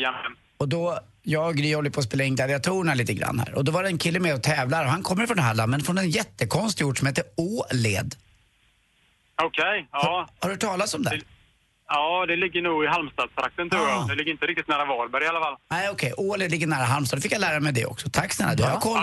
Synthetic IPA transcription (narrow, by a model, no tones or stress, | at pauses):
anɛm | ɔd̪ɔ | jɑːɡɾjɔblːɪt̪̚pʰɔspeːlaɪnɡlad̪ɪat̪ʰuːɳaliːt̪əɡɾa̰nːhæ̰ːɾɔd̪ɔvaɾɛnkʰɪlːəmɛːɔt̪ʰɛːvlaɾɔɦankʰɔmːəɾfɾɔnɦalamɛnfɾɔnɛnjɛt̪ːəkʰɔnst̪ɪɡʊʈːsɔmheːt̪ːəɾoːlḛːd̪ | ɔkʰɛjhhaɖɵt̪ʰɑːlat̪sɔmd̪ɛ̰ | ɑːd̪ɛlɪɡːəɳuːɡɪɦalmst̪ɑːd̪st̪ʰɾa̰k̚t̪ənt̪ʰɾuːjad̪ɛlɪɡəɾɪnt̪əɾɪk̚t̪ɪt̪næːɾavɑːlbæɾjɪalːafalnæɪɔkʰɛjʔoːleːd̪lɪɡːəɳæːɾaɦalmst̪ɑd̪ɔfɪkjalæːɾamɛjd̪ɛ̰ɔ̰ksɔt̪ʰakːsnɛ̰lːad̪ɵhaɾkʰɔ